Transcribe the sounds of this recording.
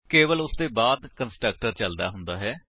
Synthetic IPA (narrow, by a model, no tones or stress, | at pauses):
keːʋəlʊsd̪eːbaːd̪kənsʈɾək̚ʈəɾt͡ʃəld̪a̰ːɦʊnd̪aːɦɛː